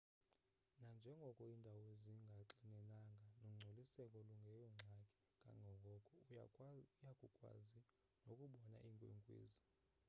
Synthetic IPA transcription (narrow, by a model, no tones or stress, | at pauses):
nand͡ʒʱɛŋɡʱɔkʼɔindʱaweziŋɡʱaǁinɛnaŋɡʱanoŋ͡ǀʱolisɛkʼɔluŋɡʱɛjɔŋ͡ǁʱakʼɛ̥ | ŋɡʼʱa̰ŋɡʱɔkʼɔkʼɔ | ujakʼukʼwa̰zi | nokʼuɓɔna̰ʔiŋkʼwḛŋkʼwḛːzi